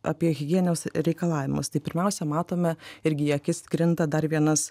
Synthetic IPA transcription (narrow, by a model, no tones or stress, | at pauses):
ʔɐ̰pʲiɛɣʲɪɡʲiɛnʲɛʊsɾʲɛɪkɐlˠɑːʋʲɪmʊ̰st̪ɐɪpʲɪɾʲmʲɛʊsʲɛmɑːt̪oːmʲɛɪɾʲɡʲɪjɛkʲɪskɾʲɪnt̪ɐd̪ɐɾʋʲiɛnɐs